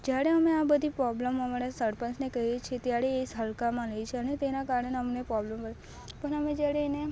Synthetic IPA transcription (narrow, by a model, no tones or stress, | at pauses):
d͡ʒjaɽeəmeabəd̪ʱipɾɔbləməmaɾasəɾpənsnekəɦiet͡ʃʰet̪jaɾeːsɦəlkamãləjt͡ʃʰeənet̪enakaɾəɳeneəmnepɾɔbləmbəle | pənəmẽd͡ʒjaɽeːne